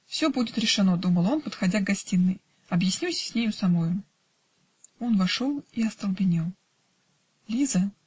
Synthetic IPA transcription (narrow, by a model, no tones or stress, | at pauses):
fsʲɵbudʲɪt̪ɾʲɪʂɨno̞d̪uməlˠo̞npət̪xɐdʲaɡɡɐsʲtʲinːɨj | ɐbjɪsʲnʲisʲsʲnʲejʊsɐmo̞jʊ | o̞nvɐʂo̞lˠiɐst̪əlˠbʲɪnʲelˠ | lʲizə